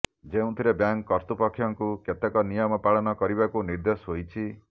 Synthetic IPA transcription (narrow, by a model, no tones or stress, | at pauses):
d͡ʒeũt̪ʰiɾebjaŋkːɔɾt̪upɔkʰːjɔŋkuket̪ekɔnijɔmɔpaɭɔnɔkɔɾibakuniɾd̪osɦojt͡ʃʰi